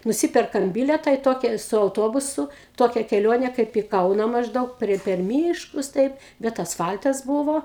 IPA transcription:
nʊˈsʲɪpʲɛrkɐm ˈbʲɪlʲɛtɑː iː ˈtoːkʲɛ sʊ ɐʊˈtoːbʊsʊ ˈtoːkʲɛ kʲɛˈlʲoːnʲeː kɐɪp iː ˈkɐʊnɐ mɐʒˈdɐʊk pʲrʲiɛ pʲɛr ˈmʲiːʃkʊs tɐɪp bʲɛt ɐsˈfɐlʲtɐs ˈbuːʋoː

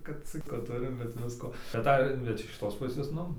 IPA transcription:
kɐt ˈt͡sʲɪk ˈʋɐ ˈtʊrʲɪm bʲɛt ˈʋʲɪskoː tɐˈdɐ bʲɛt ɪʃ kʲɪˈtoːs ˈpʊsʲeːs ˈnʊ

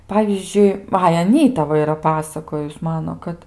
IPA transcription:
ˈpɑːʋʲiːzʲd͡ʒʲʊɪ ˈɐɪ ɐˈnʲiːtɐ ˈʋɐ ɪˈrɐ ˈpɑːsɐkoːjʊs ˈmɑːnoː ˈkɐt

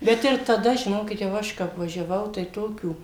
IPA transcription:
ˈbʲɛt ɪr tɐˈdɐ ʒʲɪˈnoːkʲɪt jɛʊ ˈɐʃ kɐp ʋɐʒʲɛˈʋɐʊ tɐɪ ˈtoːkʲuː

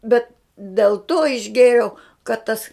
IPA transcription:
ˈbʲɛt dʲeːlˠ toː ɪʒʲˈɡʲeːrʲɛʊ kɐt ˈtɐs

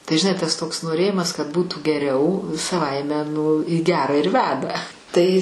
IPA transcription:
tɐɪ ʒʲɪˈnɐɪ tɐs toːks noːˈrʲeːjɪmɐs kɐt ˈbuːtuː ɡʲɛˈrʲɛʊ sɐˈʋɐɪmʲɛ nʊ iː ˈɡʲæːrɐ ɪr ˈʋʲæːdɐ ˈtɐɪ

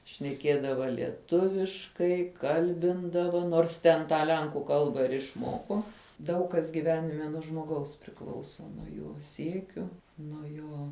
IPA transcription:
ʃʲnʲɛˈkʲiɛdɐʋɐ lʲiɛˈtʊʋʲɪʃkɐɪ ˈkɐlʲbʲɪndɐʋɐ noːrs ˈtʲɛn tɑː ˈlʲɛŋkuː ˈkɐlˠbɑː ɪr ɪʃˈmoːkoː ˈdɐʊk kɐs ɡʲɪˈʋʲæːnʲɪmʲɛ nuɔ ʒmoːˈɡɐʊs pʲrʲɪˈklˠɐʊsoː joː ˈsʲiɛkʲʊ nuɔ ˈjoː

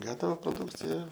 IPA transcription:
ˈɡɑːtɐʋɐ proːˈduːkt͡sʲɪjɛ

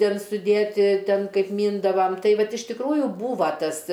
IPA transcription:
ˈtʲeːn sʊˈdʲeːtʲɪ ˈtʲeːn ˈkɐɪp ˈmʲiːndɐʋɐm ˈtɐɪ ˈʋɐt ɪʃ tʲɪkˈruːjʊ ˈbuːʋɐ ˈtɐs

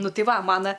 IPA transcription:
ˈnʊ ˈtɐɪ ˈʋɐ ˈmɑːnɐ

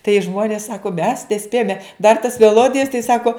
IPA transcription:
tɐɪ ˈʒmoːnʲeːs ˈsɑːkoː mʲɛs nʲɛˈsʲpʲeːjoːmʲɛ dɐr tɐs mʲɛˈlˠoːdʲɪjɛs tɐɪ ˈsɑːkoː

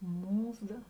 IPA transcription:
ˈmuːˌzɐ

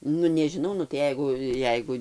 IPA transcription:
ˈnʊ nʲɛʒʲɪˈnɐʊ nʊ tɐɪ ˈjɛɪɡʊ ˈjɛɪɡʊ

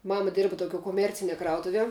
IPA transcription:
ˈmɑːmɐ ˈdʲeːrbɐ toːˈkʲuɔ koːˈmʲɛrʲt͡sʲɪnʲiɛ ˈkrɐʊtʊʋʲiɛ

